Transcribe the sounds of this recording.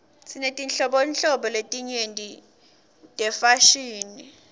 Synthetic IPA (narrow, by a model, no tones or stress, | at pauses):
sʰinetʼinɬɔɓonɬɔɓɔletʼiɲendʱʼi | tʼɛfaʃiːni